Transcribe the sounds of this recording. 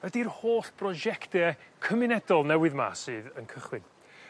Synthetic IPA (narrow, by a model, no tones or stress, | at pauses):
ədirhoːɬb̥ʰrɔʒɛktɛkʰəmɪnɛdɔlˠnɛwɨðma̰sɨːðənkʰəχwɪn